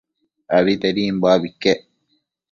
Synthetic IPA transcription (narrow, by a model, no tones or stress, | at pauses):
ɐβit̪eɾiːmbaːbikːeʔ